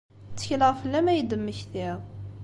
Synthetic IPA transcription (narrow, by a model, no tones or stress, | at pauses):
t͡sːə̥çləʁfəlːæmæjəd̪əmːəçθiʁ